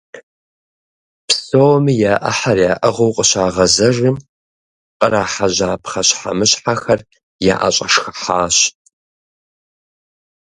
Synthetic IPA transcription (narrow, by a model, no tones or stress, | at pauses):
psowmijaːʔɐ̰ħarjaːʔɐʁowqʼəɕaːʁɐzɐʒɨm | qʼəraːħaʑaːpʰχɐɕħa̰mɨɕħaxɐr | ja̰ːʔa̰ɕʼɐʂxɐħaːɕ